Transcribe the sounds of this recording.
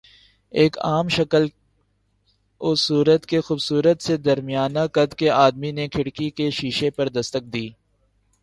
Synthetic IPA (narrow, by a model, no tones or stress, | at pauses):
eːka̰ːmʃɐkəl | ʊsːuːɾət̪kexuːbsuːɾət̪sed̪ɐɾmijaːnakɐd̪keaːd̪minekʰɪɽkikeʃiːʃepɐɾd̪ɐst̪ək̚d̪iː